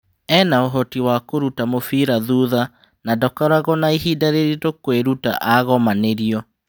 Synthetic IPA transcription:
ɛnaoɦɔtiwakoɾutamofiɾaðuːða | nadɔkaɾaɣɔnaiɦidaɾeɾitokoweɾuta̰ʔaɣɔmaneɾiɔ

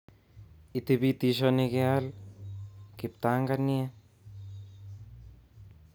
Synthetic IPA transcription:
itebitis̬oneɡeal | kip̚taŋɡanie

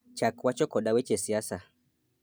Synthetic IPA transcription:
t͡ʃakwat͡ʃɔkɔɗawɛt͡ʃɛsiasa

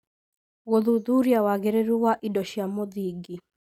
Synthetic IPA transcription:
ɣoðuðuɾjawaɣeɾeɾuwaʔidɔʃiamoðiɡi

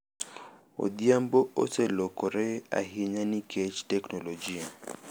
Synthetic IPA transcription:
o̰ɗiambɔo̰sɛlɔkɔɾɛa̰ɦiɲanikʰɛt͡ʃtɛknɔlɔd͡ʒia

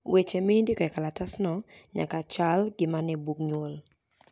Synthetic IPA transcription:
wet͡ʃemɪndikɔɛkalatasnɔɲa̰kat͡ʃalɡɪmanɛbukɲwol

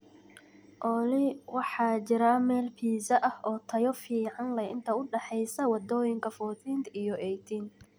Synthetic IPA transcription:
ʔɔlɪwɑħɑːt͡ʃɪɾaːmɛːlpʰiːsɐʔɐhɔːt̪ʰɐjɔfiːʕɑnlɐjɪnt̪ʰɐʊɖɛħɛjsɐwɑd̪ɔːjɪŋkʰɐfɔːθiːnt̪ijɔʔɛjt̪ʰiːn

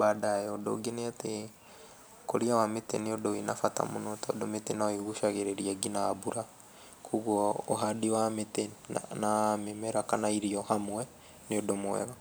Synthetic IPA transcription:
baːdajɔdo̰ɡeneate | koɾiawametḛneodoinafata̰monɔtaodometenaiɣuʃaɣeɾeɾiaɡinaːbuɾa | kʰuɣwɔoɦadiwametenamemɛɾakanaiɾiɔhamwɛ | neodomoɛ̰ɣa

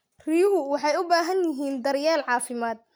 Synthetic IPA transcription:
rijʊɦʊwɑħɑjʊbaːɦɐnjɪɦiːnd̪ɐɾjaːlʕɑːfɪmaːd̪̚

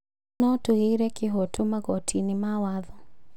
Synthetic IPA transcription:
nɔtuɣiɾɛkiɦɔtumaɡɔtʰinimawaðɔ

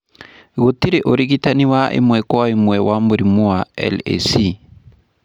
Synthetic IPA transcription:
ɣot̪iɾeʔoɾiɡitaniwaʔḭmwɛkɔaimwɛwʔamboɾimuaɛ̰lḛsi

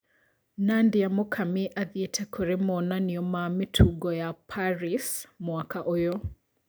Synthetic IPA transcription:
nandiamokʰamiʔaðjetʰɛkʰoɾemɔnaniɔmametʰuɡɔjapʰaɾismwakaʔojɔ

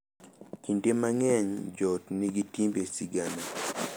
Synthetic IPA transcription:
kindemaŋɛɲd͡ʒɔtniɡitimbesiɡana

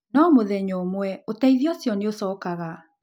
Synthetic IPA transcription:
nɔmoðɛɲomwɛotɛiðiɔsjɔneosɔːkaɣa

